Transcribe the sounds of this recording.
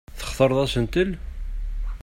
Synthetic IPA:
θə̥χθəɾˤðˤæsənt̪əl

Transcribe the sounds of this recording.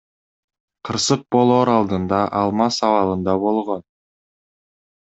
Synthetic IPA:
qʰɯɾsɯq̚bo̞lˠoːɾɑlˠd̪ɯnd̪ɑʔɑlˠmɑsɑvɑlˠɯnd̪ɑbo̞lˠʁo̞n

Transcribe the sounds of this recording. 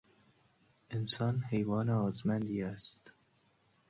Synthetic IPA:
ensɒːnhejvɒːneɒːzmænd̪iːæst̪

